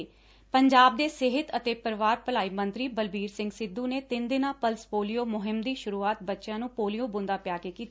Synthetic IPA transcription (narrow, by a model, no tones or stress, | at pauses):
pəɲd͡ʒaːb̚d̪eːsɪɦɪt̪ət̪eːpəɾʋaːɾpəlaːiːmə̃nt̪ɾiːbəlbiːɾsɪ̃ŋɡsɪd̪ːũːneːt̪ɪnd̪ɪnãːpəlspoːlijoːmʊɦɪmd̪iːʃʊɾuːaːt̪̚bətːʃjãːnũːpoːlijõːbʊ̃nd̪aːpjaːkeːkiːt̪ː